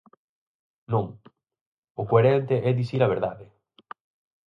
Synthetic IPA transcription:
nũŋ | ʊkweɾɛnt̪eʔɛd̪isiɾɐβ̞eɾðaðɪ

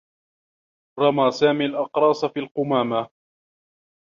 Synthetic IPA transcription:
ɾˤɑmaːsaːmiːlʔɑqɾˤɑːsafiːlqʊmaːma

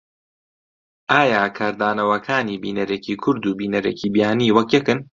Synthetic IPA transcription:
ʔaːjaːkʰaːɾd̪aːnɐwɐkʰaːniːbiːnɐɾeːcʰiːkʰʊɾd̪uːbiːnɐɾḛːcʰiːbijaːniːwɐkjɛkɨn

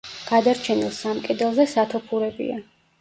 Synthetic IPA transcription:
ɡ̥ad̪aɾt͡ʃʰɛnilˠsamkʼɛd̪ɛlˠzɛsat̪ʰɔpʰuɾɛbḭa

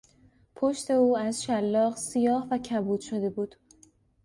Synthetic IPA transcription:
pʰoʃt̪e̞uːæzʃælːɒːɢsijɒːhvæcʰæbuːd̪ʃo̞d̪e̞buːd̪̥

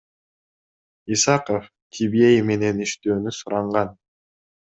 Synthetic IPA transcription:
isɑqəf | kʲʰibejme̞ne̞niʃt̪øːnysuɾɑɴʁɑn

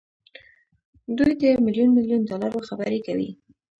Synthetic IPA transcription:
d̪ujd̪əmɪljunmɪljundɑlaɾoxabəɾekawḭ

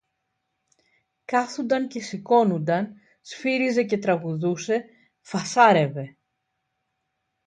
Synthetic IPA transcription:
kɐθund̪ɐnce̞siko̞nund̪ɐn | sfiɾize̞ce̞t̪ɾɐɣuðuse̞ | fɐsɐɾe̞ve̞

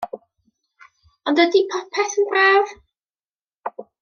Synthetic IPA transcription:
ɔndədipʰɔpʰɛθənbraːv

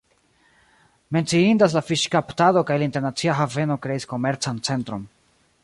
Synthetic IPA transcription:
me̞nt͡siindas̬lafiʃkaptado̞kajlainte̞ɾnat͡siaɦave̞no̞kɾe̞isko̞me̞ɾt͡sant͡se̞ntɾo̞n

